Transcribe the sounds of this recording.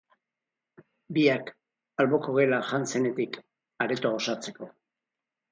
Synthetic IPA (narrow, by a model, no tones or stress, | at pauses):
biak | alβo̞koɣe̞laʝanse̞ne̞t̪ik | aɾet̪oaosat͡se̞ko̞